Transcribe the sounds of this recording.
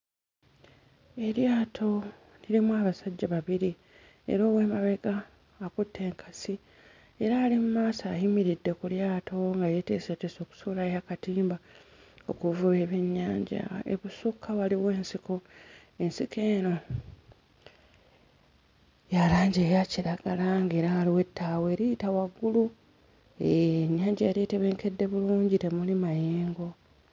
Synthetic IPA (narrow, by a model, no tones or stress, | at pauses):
e̞ljaːtʰo̞ | niɾimuwaːβasaɟːaβaβiɾi | ḛɾoːwe̞ːmaβe̞ɡaː | kutʰːe̞ːŋkʰasi | e̞ɾaːlimumaːsajimiɾidːe̞kuljaːtʰo̞ŋɡajete̞ːsete̞so̞ːku̥sulajakatiːmba | o̞kuvue̞βe̞ɲːaːɲɟa̰ḛβusukʰːawaliwe̞ːnsiko̞ | e̞nsike̞ːno̞ | jalaːɲɟeːjaciɾaɡ̥alaŋɡe̞ːɾaːliwe̞tːaːweːɾijitawaɡːulu | eɲːaːɲɟajaɾieteβe̞ːŋke̞dːe̞βuluːɲɟitemulimajeːŋɡo̞